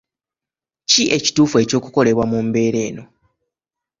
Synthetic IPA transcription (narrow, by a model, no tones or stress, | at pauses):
ciʔe̞ci̥tuːfue̞ːco̞ːkuko̞le̞βwamumbe̞ːɾe̞ːno̞